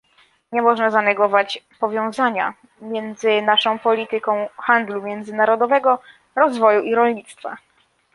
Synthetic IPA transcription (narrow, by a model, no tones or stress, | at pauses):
ɲɛmɔʐnazanɛɡɔvat͡ɕpɔvʲjɔ̃w̃zaɲa̰ | mʲjɛnd̪zɘnaʂɔ̃w̃pɔlʲit̪ɘkɔ̃w̃xand̪lumʲjɛnd̪zɘnaɾɔd̪ɔvɛɡɔ | ɾɔzvɔjuʔiɾɔlɲit̪st̪fa̰